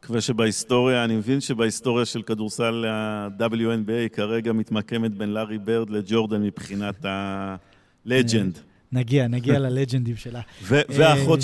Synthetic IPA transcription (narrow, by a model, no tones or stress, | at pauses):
kvaʃebaist̪o̞ʁjaːnimevinʃe̞baist̪o̞ʁjaʃelkad̪uʁsalad̪abeljuenbiejkaʁeɡamit̪make̞met̪be̞nlaʁibeʁd̪led͡ʒo̞ʁd̪anmipχinat̪ha | led͡ʒend̪ | naɡianaɡialaled͡ʒend̪imʃelaveveaχo